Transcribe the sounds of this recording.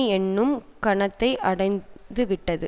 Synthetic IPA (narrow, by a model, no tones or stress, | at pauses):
ɛnːɯmkɐɳɐt̪ːɐɪʔɐɽɐɪnd̪ɯʋɪʈːɐðɯ̰